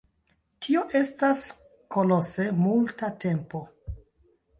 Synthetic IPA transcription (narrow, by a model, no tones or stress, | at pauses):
tʰio̞ʔe̞stas | ko̞lo̞se̞multate̞mpo̞